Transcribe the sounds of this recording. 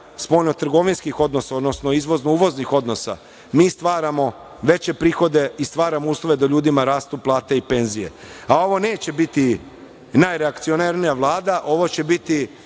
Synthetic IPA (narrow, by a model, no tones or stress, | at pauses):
spo̞jno̞t̪r̩ɡo̞ʋinskixo̞d̪no̞saod̪no̞snoizʋo̞znouːʋo̞znixo̞d̪no̞sa̰ | miːst̪ʋaːɾamo̞ | ʋe̞t͡ɕe̞pɾiːxo̞d̪e̞ist̪ʋaːɾamouːslˠo̞ʋe̞d̪aʎuːd̪imaɾaːst̪uplˠaːt̪eipe̞nzije̞̰ | ao̞ʋo̞ne̞ːt͡ɕe̞bit̪i | najɾeakt̪sio̞naɾnijaʋlˠaːd̪aʔo̞ʋo̞t͡ɕe̞bit̪i